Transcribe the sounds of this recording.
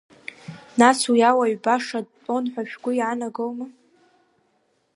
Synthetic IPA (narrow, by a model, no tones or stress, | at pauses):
naswjawaɥbaʂadtʼo̞nħʷᶣaʃᶣɡʷʊjanaɡowma